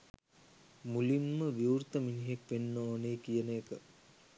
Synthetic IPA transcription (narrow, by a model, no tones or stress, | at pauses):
mulinməʋiurt̪əminiɦekʋenːəoːneːkijənəekə